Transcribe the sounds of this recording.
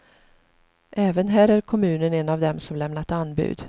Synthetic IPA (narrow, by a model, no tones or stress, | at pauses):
ʔɛːvənɦæːɾæɾkʰɔmʉ̟ːnənɛnavd̪ɛmsɔmlɛmnat̪anbʉ̟̰ːd̪